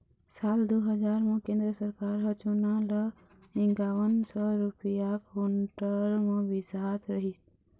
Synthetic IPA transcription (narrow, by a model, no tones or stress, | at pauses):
sald̪uɦəd͡ʒaɾmẽkẽnd̪ɾəsəɾkaɾɦət͡ʃunalə | iŋɡawənsɔɾupijakɦuɳʈəɾmẽbisat̪ɾəɦis